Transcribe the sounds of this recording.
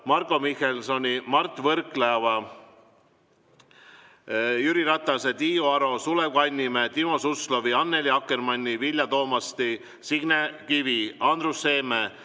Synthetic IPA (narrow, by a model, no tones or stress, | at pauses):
mɑrkˑo̞mihelso̞nʲimɑrt̪ːˑvɤrkleɑvɑ | jyɾiɾɑt̪ːˑɑset̪iːoɑɾo̞suleɡɑnʲːimet̪imo̞suslo̞viɑnːeliɑkːˑermɑnʲːivilʲjɑt̪o̞ːmɑst̪i | siɡ̥nekiviɑnd̪rusːe̞ːme